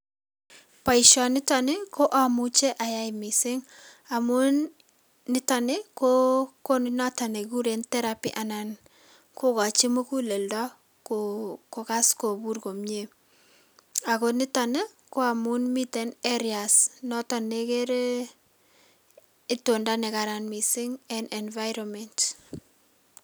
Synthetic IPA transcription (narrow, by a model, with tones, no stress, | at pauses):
pa˨iʃɔ˨nɪ˦ta˨ne˦ko˦ʔa˨mu˦t͡ʃe˦ʔa˨ja˦jmi˨sɪ˦ŋa˨mu˦nː | ɪ˦ta˨ne˦koko˦nna˦ta˨ne˨ku˦ɾe˨ntɛ˦ɾapḭ˦ʔa˨na˨n | ko˦ka˨t͡ʃi˦mu˦ku˦le˨ldɔ˦ | koko˨ka˦sko˨bu˦rko˨mɲe | a˨ko˨nɪ˦ta˨ne˦ | ko˦a˨mʊ˦nmi˦te˦ne˦ɾiasnɔ˦ta˨ne˦ke˦ɾ | to˨nda˦ne˨ka˨ɾa˨nmi˨sɪ˦ŋɛ˨nɛ˨nva˦jɾɔmɛnt